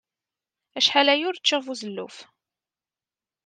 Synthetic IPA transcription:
æʃħalæjʊɾt͡ʃːəʁvuzəlːṵf

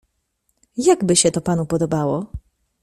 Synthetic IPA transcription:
jaɡbɘɕɛt̪ɔpanupɔd̪ɔbawɔ

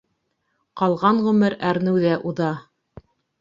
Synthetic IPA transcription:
qɑlˠʁɑɴʁɵ̆mɘɾæɾnɘ̆wðæʔuðɑ

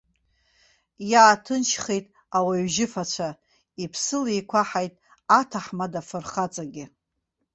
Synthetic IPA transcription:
jaːtʰɨnʃʰχejtʼ | awaɥʒɪfat͡ɕʷʰa | ipʰsɨlejkʷʰaħajtʼ | atʰaħmadafɨrχat͡sʼaɡʲɪ

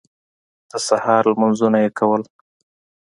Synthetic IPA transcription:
d̪̥əsahɑɾlmanzunajekʰawəl

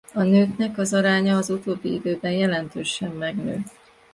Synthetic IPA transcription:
ɒnøːknɛkɒzɒɾaːɲɒːzut̪oːbːiid̪øːbɛnjɛlɛnt̪øːʃɛmːɛɡnø̰ː

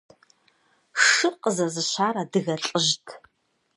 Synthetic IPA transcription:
ʂɨqʼəzɐzɨɕaːɾadɨɣɐɬʼɨʒtʰ

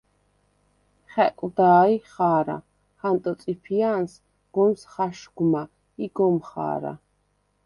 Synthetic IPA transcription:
χɛ̰kʼd̪aːiχaːɾa̰ | χant̪ʼɔt̪sʼipʰians | ɡ̥ɔmsχaʃɡma | iɡɔmχa̰ːɾa̰

